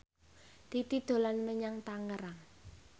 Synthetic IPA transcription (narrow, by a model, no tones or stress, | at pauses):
d̪̥it̪id̪̥o̤lanməɲaŋt̪aŋəɾaŋ